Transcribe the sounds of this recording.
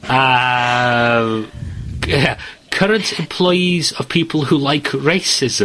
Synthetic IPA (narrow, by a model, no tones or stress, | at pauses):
ə | a | kʰʌɾə̃ntʰɪ̃mpʰl̥ɔɪizəv̥pʰipʰəl̩ˠhulaɪkʰɹeɪsɪz̥ə̃